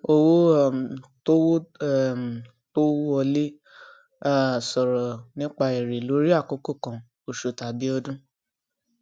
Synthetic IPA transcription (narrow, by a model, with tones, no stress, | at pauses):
o˦˧wo˦˨to˦wo˦˨ | to˦wo˦ɔ˧le˦ | a˦sɔ˨ɾɔ˨nĩ˦k͡pa˧i˨ɾe˨lo˨˦ɾi˦a˦˨ko˨˦ko˦˨kã˨ | o˨ʃo˨ta˨bi˨˦ɔ˧dũ˦